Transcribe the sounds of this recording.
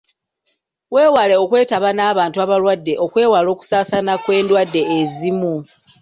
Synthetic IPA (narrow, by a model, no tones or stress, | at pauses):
we̞ːwale̞o̞kwe̞ːtaβanaːβaːntuaβalwadːe̞ʔo̞kwe̞ːwalo̞ːku̥saːsanakwe̞ːndwadːe̞ːzimu